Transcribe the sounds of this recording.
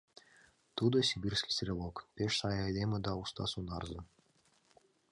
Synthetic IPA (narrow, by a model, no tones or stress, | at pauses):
t̪ud̪ɤsʲibʲirʲsʲkʲi̥sʲɾʲelˠokpʲeʃsɑjad̪eməd̪ɑust̪ɑ̰sunɑrzɤ